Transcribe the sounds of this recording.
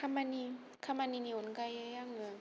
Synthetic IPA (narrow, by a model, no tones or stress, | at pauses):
kʰamani | kʰamaniniʔonkajjɯjaŋːɯŋ